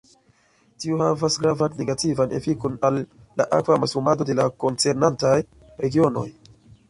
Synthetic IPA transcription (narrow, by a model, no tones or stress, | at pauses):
tiohavasɡɾavanːe̞ɡativanʔe̞̰fikonalː | a̰ʔa̰kvamasumado̞de̞lako̞nt͡se̞ɾnantaj | ɾe̞ɡio̞no̞̰j